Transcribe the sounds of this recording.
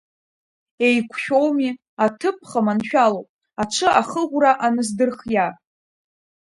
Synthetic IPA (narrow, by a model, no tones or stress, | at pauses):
e̞jkʷʰʃᶣo̞wmi | atʰɨp̚ʰχamanʃᶣalowpʼ | aʈ͡ʂʰɨʔaχəʁʷraʔanɨzdɨrχja